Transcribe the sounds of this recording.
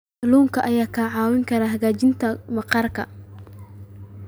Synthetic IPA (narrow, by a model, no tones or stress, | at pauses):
luːŋkʰɐʔɐjaːkʰaːʕɑːwɪŋkʰɐɾaːɦɐɣaːt͡ʃɪnt̪ʰɐmɑqɑrkʰɐ̰